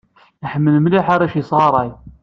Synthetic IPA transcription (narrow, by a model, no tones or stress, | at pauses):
iħəmːəlmliħaɾæʃjisˤʁɑɾˤɑj